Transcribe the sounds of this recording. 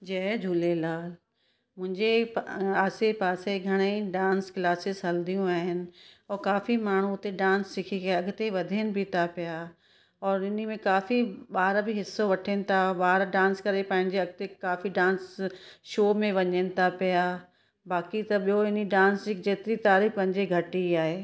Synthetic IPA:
d͡ʒɐːd͡ʒʱuːlelaːl | mʊ̃ɦɪ̃ɲd͡ʑeaːsepaːseɡʱɐɽ̃eĩɖãːnskɪlaːsɪzɦɐld̪ijũaːɦɪnɪ̆ɔːɾkaːfimaːɳ̤ũt̪eɖãːnssɪkʰiɡɐɐɡt̪eʋɐd̪ʱenɪ̆bʱit̪ʰapɪja | ɔːɾɪnmẽkaːfiɓaːɾbʱɪɦɪsːoʋɐʈʰenɪ̆t̪ʰaɓaːɾɖãːnskɐɾepɐ̃ɦɪ̃ɲd͡ʑeɐɡ̚t̪ekaːfiɖãːnsʃoːmẽʋɐɲənɪ̆t̪ʰapija | baːkit̪ɐɓijoɪniɖãːnsd͡ʑɪkd͡ʑeːt̪ɾit̪aːɾiːxpɐ̃ɦɪ̃ɲd͡ʑeɡʱɐʈiaːɦeː

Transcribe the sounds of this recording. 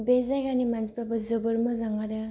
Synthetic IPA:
bezajɡanimanspabɯzɯbɯɾmɯzaŋaɾɯ

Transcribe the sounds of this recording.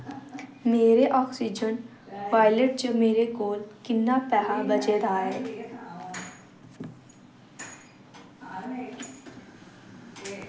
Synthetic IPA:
meːɾeʔɔksid͡ʑən | paːjleʈ̚t͡ɕəmeːɾekoːlkinːapɛɦabət͡ɕed̪aːɦe

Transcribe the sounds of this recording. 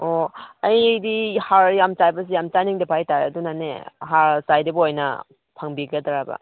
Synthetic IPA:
oajdihaɾjamt͡ʃajbɐsijamt͡ʃaniŋdapʰajtaɾeadunanḛɦaɾsajdibojnɐ̰ | pʰaŋbiɡɐdaɾabɐ̰

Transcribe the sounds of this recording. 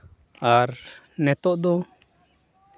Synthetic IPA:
aɾ | nɛt̪ɔʔd̪ɔ

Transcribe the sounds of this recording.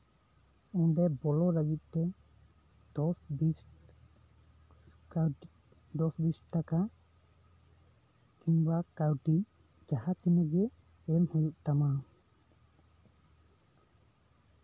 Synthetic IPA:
und̪ɛbɔlɔɾaɡit̪̚ˀt̪ɛ | d̪̥ɔsbis | d̪ɔsbisʈʈaka | kiɲbakawʈi | d͡ʒahat̪inɛɡɛ | ɛmhujuʔ̚t̪ama

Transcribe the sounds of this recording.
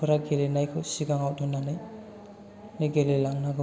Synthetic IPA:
ɔɾaɡelenajkʰɔsiɡaŋawdɔnanaj | nɯɡelelaŋnaɡɔ

